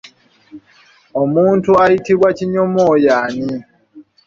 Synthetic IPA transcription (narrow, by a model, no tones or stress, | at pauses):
omuːntuajitiβwaciɲomoːjaːɲi